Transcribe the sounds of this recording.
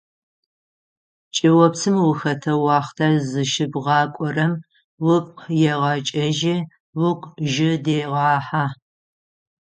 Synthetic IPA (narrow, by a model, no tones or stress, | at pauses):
t͡ʃʼiwɔpsʰɨmwʊxɐtʰɐwɑːχtʰazɨʃɪbʁɑːkʷʼɔrɐm | wʊpqjɛʁɑt͡ʃʼɐʒɪ | wʊkʷʼʒɪdeːʁɑːħaː